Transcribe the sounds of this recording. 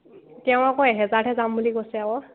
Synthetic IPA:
tɛw̃akɔɛɦɛzaɹtʰɛzambuliɡɔsɛabɔ

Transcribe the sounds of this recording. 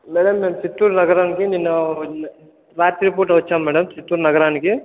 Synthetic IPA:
mɛːɽɐmːeːmt͡ʃit̪ːuːɾnɐɡɐɾaːnikininːɐ | ɾaːt̪iɾipoːɾʈɐʋɐt͡ʃːaːmmɛːɽɐmt͡ʃit̪ːuːɾnɐɡɐɾaːniki

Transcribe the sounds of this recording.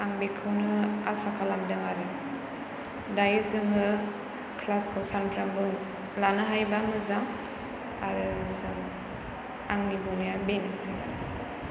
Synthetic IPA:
aŋbikʰɯwnɯasakʰalamdaŋaɾɯ | dajzɯŋɯ | kʰlaskʰɔwsantɾambɯ | lanɯɦajbamɯzaŋ | aɾɯzɯŋ | aŋnibunijabenɯsiba̰ɾḭ

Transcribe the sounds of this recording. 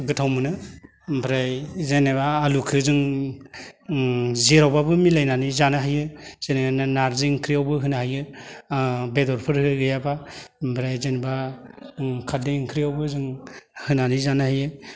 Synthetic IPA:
ɡɯtʰawmɯnɯ | pʰɾajzeneβaːlukʰɯzɯŋ | zeɾawbabɯmilajnanizanaɦajɯz̥eneananaɾziŋkʰɾijawbɯɦɯnahajɯ | bedɔɾpʰɯɾɯɡɯjabambʰɾajzeneba | kʰadiŋkʰɾijawbɯzɯŋhɯnanizanahajɯ

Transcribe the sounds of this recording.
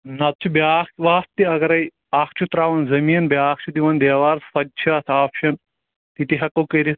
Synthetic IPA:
nɐt̪̚t͡ʃʰubaːkʋaːst̪iɐɡɐɾɐj | aːkʰt͡ʃʰut̪ɾaːʋɐnzɐmiːnbʲaːkt͡ʃʰud̪iʋɐnd̪eːʋaːɾsfɐd̚t͡ʃʰiɐsʰaːpʃɐn | t̪it̪iɦɐkɐwkɐɾi

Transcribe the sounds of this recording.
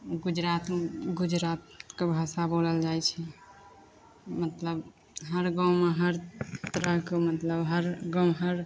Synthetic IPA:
ɡud͡ʒɾat̪ɡud͡ʒɾat̪kebʱasaboləld͡ʒajt͡ʃʰɛ | mət̪ləb | ɦəɾɡãw̃meɦəɾt̪əɾəɦkemət̪ləbɦəɾɡãɦəɾ

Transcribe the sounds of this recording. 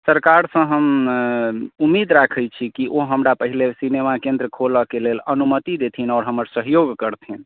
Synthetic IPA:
səɾkaɾsə̃ɦəm | umːid̪ɾakʰəjt͡ʃʰikiʔoɦəmɾapəɦilesinemakẽnd̪ɾəkʰoləkelelənumət̪id̪et̪ʰinɔːɾɦəməɾsəɦjoɡkəɾt̪ʰin

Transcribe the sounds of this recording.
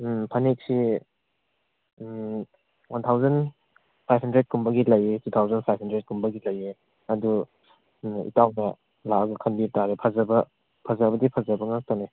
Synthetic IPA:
pʰanik̚si | wantʰawzɐn | pʰajpʰhɐndɾet̚kumbɐɡilɐjetutʰawzɐnpʰajpʰhandɾet̚kumbɐɡilɐje | ɐdu | ḭtawnɐ | laɡɐkʰɐnbiɾtaɾepʰazɐbɐ | pʰɐzɐbɐdipʰɐzɐbɐŋaŋstane

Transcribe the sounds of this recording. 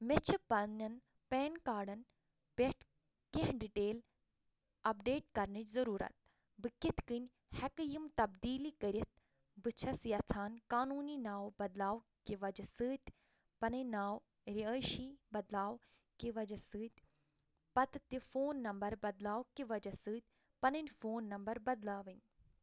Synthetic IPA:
met͡ʃʰɨpɐnɐn | pɛːnkaːɖɐn | pʲeʈʰ | kiɦɖiʈeːl | ɐpɖeːʈkɐɾnɨt͡ʃzɐɾuːɾɐ̰t̪̚ | bɨkit̪ʰkɨnʲ | hɛkɨjimt̪ɐbd̪iːlikəɾʲit̪̚ | bɨt͡ʃʰɐsjɐt͡sʰaːnkaːnuːninaːwbɐd̪laːwkiʋɐd͡ʒɐsɨːt̪ʲ | pɐnɨnaːw | ɾiəːʃibɐd̪laːw | kiʋɐd͡ʒɐsɨːt̪ʲ | pɐt̪ɨt̪ifoːnːɐmbɐɾbɐd̪laːwkiʋɐd͡ʒɐsɨːt̪̚ʲ | pɐnɨnʲfʰoːnːɐmbɐɾbɐd̪laːʋɨnʲ

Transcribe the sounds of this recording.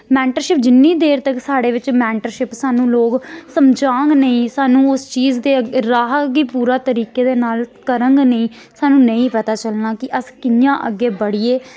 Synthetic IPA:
mɛːɳʈəɾʃɪp̚d͡ʒɪnːiːd̪eːɾt̪əksaːɽeːʋɪt͡ʃmɛːɳʈəɾʃɪpsaːnũːloːksəmd͡ʒaːəŋɡnəĩːsaːnũːʊst͡ʃiːzd̪eːɾaːɦəkɡiːpuːɾaːt̪əɾiːkeːd̪eːnaːlkəɾəŋɡnəĩː | saːnũːnəĩːpət̪aːt͡ʃəlnaːkɪʔəskɪjãːʔəɡːeːbəɽiːeː

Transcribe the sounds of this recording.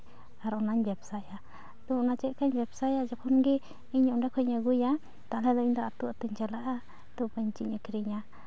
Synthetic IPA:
aɾɔnaɲbɛbsaja | t̪ɔɔnat͡ʃɛʔ̪̚kaɲbɛbsajad͡ʒɔkʰɔnɡi | iɲuɳɖɛkʰɔɲaɡuja | t̪aʔlɛd̪ɔiɲd̪ɔat̪uat̪uɲt͡ʃɛlaʔa | t̪upəɲt͡ʃiɲakɾiɲa

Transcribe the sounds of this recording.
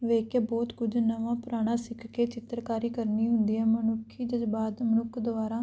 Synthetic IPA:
ʋeːkebɔːt̪kʊd͡ʒnəʋãːpʊɾaːɽ̃ãːsɪkʰkeːt͡ʃɪt̪ɾkaːɾiːkəɾniːɦʊnd̪iːɛːmənʊkʰːiːd͡ʒəd͡ʒbaːd̪mənʊkʰd̪ʊʋaːɾãː

